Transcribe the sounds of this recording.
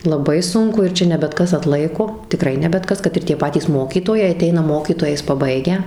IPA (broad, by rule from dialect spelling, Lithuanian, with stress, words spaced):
lˠɐˈbɐɪ ˈsʊŋkʊ ɪr ˈt͡ʃʲɛ nʲɛ bʲɛt ˈkɐs ɐtˈlˠɐɪkoː tʲɪˈkrɐɪ nʲɛ bʲɛt ˈkɐs kɐt ɪr ˈtʲiɛ ˈpɑːtʲiːs ˈmoːkʲiːtoːjɛɪ ɐˈtʲɛɪnɐ ˈmoːkʲiːtoːjɛɪs pɐˈbɐɪɡʲæː